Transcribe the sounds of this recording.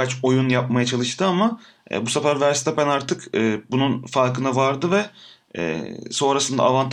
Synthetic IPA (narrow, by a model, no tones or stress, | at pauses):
at͡ʃo̞junjap̚majat͡ʃʰalˠɯʃt̪ɯama | ɛ̰busafæɾvæɾst̪ʰapænaɾt̪ʰɯkɯːbununfaɾkʰɯnavaɾd̪ɯvɛ | ɛ̰ːso̞nɾasɯnd̪a̰ːvant̪ʰ